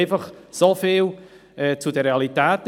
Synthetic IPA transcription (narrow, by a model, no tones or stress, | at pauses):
jfəχsofɪːlˠ | ɛːt͡sʰudəɾealˠitaːt